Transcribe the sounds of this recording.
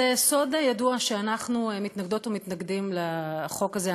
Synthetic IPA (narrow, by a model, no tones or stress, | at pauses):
eso̞d̪jaduaʃeanaχnumit̪naɡd̪o̞t̪omit̪naɡd̪imleχo̞kaze